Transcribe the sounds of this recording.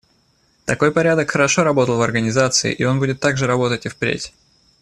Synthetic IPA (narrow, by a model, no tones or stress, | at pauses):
t̪ɐko̞jpɐɾʲad̪əkxəɾɐʂo̞ɾɐbo̞t̪əlˠvɐrɡənʲɪzat̪sɨɪ̰ʔio̞nbudʲɪt̪ːaɡʐɨɾɐbo̞t̪ətʲɪfpɾʲḛtʲ